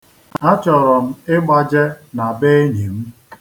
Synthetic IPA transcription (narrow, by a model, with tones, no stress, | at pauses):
a˦t͡ʃɔ˨ɾɔ˨m̩˦ɪ˦ɡ͡ba˦d͡ʒe˦na˨be˦e˦ɲi˨m̩˦